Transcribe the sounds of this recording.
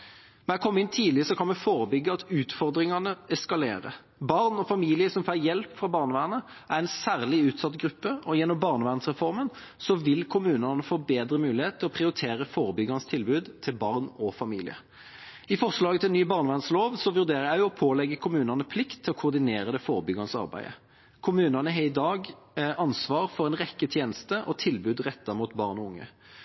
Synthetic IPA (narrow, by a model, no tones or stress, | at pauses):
mɛækʰɔmːɪnt̪ʰiːlɪəsɔkʰɑnmɛfoːɾəbʏɡːəɑt̪ʉːt̪fɔʁd̪ɾɪŋɑnəɛskɑlḛːɾə̰ | bɑʁnɔfɑmiːlɪəsɔmfæjɛlpfʁɑbɑʁnəʋæːnə | æʁɛnsæːʁlɪʉːt̪sɑt̪ɡɾʉpːəɔjɛnːɔmbɑʁnəʋæːʁnsʁɛfɔʁmən | sɔʋɪlkʰʊmʉːnɑnəfoːbeːd̪ɾəmʉːlɪheːt̪t̪ʰːɪlɔpʰʁɪʊɾɪt̪ʰeːɾəfoːɾəbʏɡɑnəst̪ʰɪlbʉːd̪t̪ʰɪlbɑʁnɔfɑmiːlɪ̰ə̰ | ɪfɔʁʂlɑːɡət̪ʰɪlnyːbɑʁnəʋæʁnsloːʋsɔʋʉʁd̪eːʁəjæɪjʊɔpʰoːlɛɡːəkʰʊmʉːnɑnəspʰlɪkt̪ʰːɪlɔkʰʊʁd̪ɪneːɾəd̪ɛfoːʁəbʏɡɑnəsɑ̰ʁbæ̰ɪə̰ | kʰʊmʉːnɑnəɛɪd̪ɑːɡ | ʔɑnsʋɑːʁfɔʁɛnʁɛkːət̪ʰjeːnəst̪əʔɔt̪ʰɪlbʉːd̪ʁɛt̪ːɑmuːt̪bɑʁnɔʊŋːə̰